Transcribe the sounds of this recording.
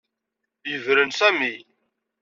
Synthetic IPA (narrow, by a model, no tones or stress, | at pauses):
jəvɾənsæmi